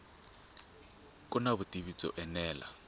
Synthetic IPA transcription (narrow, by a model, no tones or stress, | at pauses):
kʼunaβutiβit͡sɔ̰ʔɛnɛːla̰